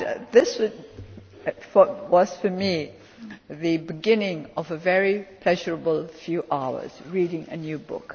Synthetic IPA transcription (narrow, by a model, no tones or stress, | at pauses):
ðɪs | fəwʌz̥fəmi | ðɨbɨɡɪ̃nɪ̃ŋʌvəvɛɹipʰl̥ɛʒəɹəbəl̩ˠfjuːʔaʊə̰z̥ɹiɾɪ̃ŋə̰njʉbʊ̰k